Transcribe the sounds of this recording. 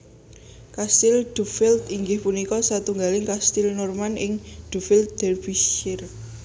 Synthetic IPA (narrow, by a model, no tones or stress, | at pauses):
kast̪ɪld̪̥ufɪlt̪iŋɡɪhpunikɔsat̪uŋɡalɪŋkast̪ɪlnɔrmanɪŋd̪̥ufɪlt̪̚d̪̥ɛrfisɪr